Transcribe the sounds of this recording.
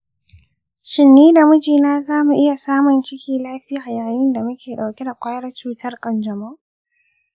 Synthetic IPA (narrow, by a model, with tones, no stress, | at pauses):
ʃɪ˨nːiː˦da˨mʊ˦d͡ʒiː˨naː˦zaː˦mu˨ʔɪ˦ja˨saː˦mʊ˨nt͡ʃɪ˦kʲiː˦laː˦ɸɪ˦a˨jaː˨jɪ˦nda˨mʊ˦kʲeː˨ɗa˨wkʲɪ˦da˨kʷaː˦jɐ˦rt͡ʃuː˦tʰɐ˦rkʼɐ˨nd͡ʒɐ˨ma˦ʔ